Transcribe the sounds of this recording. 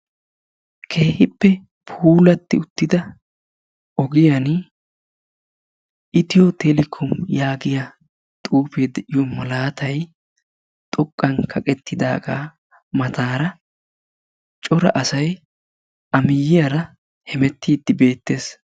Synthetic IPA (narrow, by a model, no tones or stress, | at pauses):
kʰe̞ːhɪpːɛ | pʰuːlɐt̪ːɪʊt̪ːɪd̪ɐ | ɔɡɪjan | ɪt̪ɪjɔt̪ɛlɪkʰːɔmjaːɡɪjɐ | t̪ʼuːpeːd̪ɛʔɪjɔmɐlaːt̪ʰɐj | t̪ʼɔkʼːɐnkʰɐkʼɛt̪ːɪd̪a̰ːɡa̰ː | mɐt̪ʰaːɾɐ | t͡ʃʼɔɾɐ̰ʔɐsɐj | ɐmɪjːɪjɐɾɐ | hɛmɛt̪ːiːd̪ːɪbe̞ːt̪ːe̞ːs